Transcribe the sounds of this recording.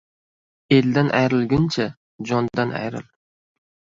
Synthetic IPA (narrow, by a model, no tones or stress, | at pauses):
eld̪ænʔæjɾɪlˠɡʲɪnt͡ʃʰɛ | d͡ʒɒnd̪ɑnæ̰jɾɪ̰l